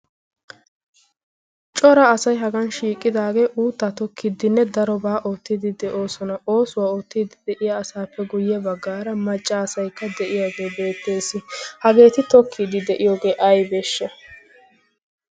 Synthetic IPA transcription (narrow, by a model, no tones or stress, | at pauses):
t͡ʃʼɔɾɐːsɐjɦɐɡɐnʃiːkʼːɪd̪aːɡe̞ːʔuːt̪ːat̪ɔkːɪd̪ɪnːɛd̪ɐɾɔbaːʔoːt̪ːɪd̪ɪd̪ɛʔo̞ːsɔnɐʔo̞ːsʊwaːoːt̪ːid̪ɪd̪ɛʔɪjaːsaːpːɛɡʊjːɛbɐɡːaːɾɐmɐt͡ʃʼːɐːsɐjkːɐd̪ɛʔɪjaːɡe̞ːbe̞ːt̪ːe̞ːsɪhɐɡe̞ːt̪ɪt̪ɔkʰːɪd̪ɪd̪ɛʔɪjo̞ːɡe̞ːʔɐjbeːʃːɛ